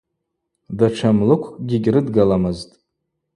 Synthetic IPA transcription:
daʈ͡ʂʰamlɨkʷʰɡʲiɡʲrɨdɡalamɨztʼ

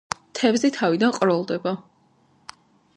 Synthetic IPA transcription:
t̪ʰɛvzɛt̪ʰavid̪anqʼɾɔlˠd̪ɛba

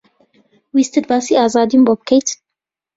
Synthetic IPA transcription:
wist̪ɨd̪̚bɑːsiːɑːzɑːd̪imbobɨkʰɛjt̪ʰ

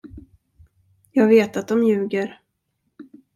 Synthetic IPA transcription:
jɑːɡveːt̪at̪̚d̪ɔmjʉ̟ːɡəɾ

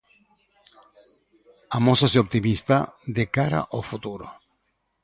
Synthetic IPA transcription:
amosaseop̚t̪imist̪ad̪ekaɾa̰ʔofut̪uɾo̰

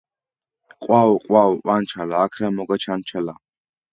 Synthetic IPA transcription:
qʼwaɔqʼwawuʔant͡ʃʰalaːkʰramɔɡat͡ʃʰant͡ʃʰala

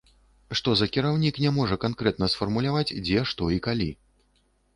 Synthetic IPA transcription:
ʂt̪ɔzɐkʲiɾawnʲiknʲɛmɔʐɐkankɾɛt̪̚nɐsfɐrmulʲavat͡sʲd͡zʲɛʂt̪ɔikalʲḭ

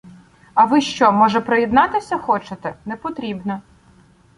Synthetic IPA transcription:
ɐʋɪʃt͡ʃɔmɔʒɛpɾɔjɛd̪nɑt̪ɪsʲɐxɔt͡ʃet̪ɛnɛpɔt̪ɾʲibnɐ

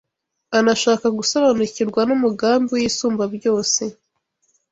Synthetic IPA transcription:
anaʃaːkaɡusaβanuciɾɡwanumuɡaːmbojiːsuːmbabjo̞ːse̞

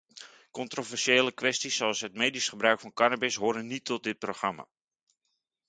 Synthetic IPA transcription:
kɔntrovɛrʃeːləkʋɛstisːoɑlˠsɦətmejdisχəbrœɥkfɑnkɑnabɪsɦoːɾənitʰɔt̚dɪt̚proχrɑma̰

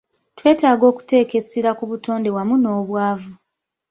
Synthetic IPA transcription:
twe̞ːtaːɡo̞ːku̥te̞ːke̞siɾakuβuto̞ːnde̞wamuno̞ːβwaːvu

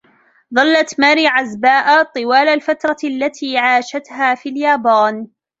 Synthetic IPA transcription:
ðˤɑlːat̪maːɾiːʕazbaːʔat̪ˤɨwaːlalfat̪ɾˤɑʔalːat̪ʰiːʕaːʃat̪haːfiːljaːbaːn

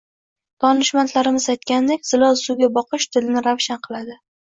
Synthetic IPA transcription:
t̪ʰɒnɪʃmant̪ʰlaɾɪmɪzajt̪̚kʲand̪ekʲz̥ɪlɒlsʊɡʲabɒqʰɨʃt̪ʰɪlɪnɪɾavʃanqʰɨlˠad̪ɪ

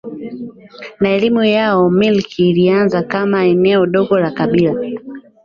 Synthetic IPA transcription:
naɛlimujaɔmilkiːlianzakamaɛnɛɔɗɔɡɔlakaɓila

